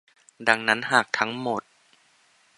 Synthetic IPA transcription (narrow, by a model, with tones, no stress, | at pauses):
da˨˧˩ŋna˦˥nɦaː˨˩k̚t̪ʰa˦˥ŋmo˨˩t̪̚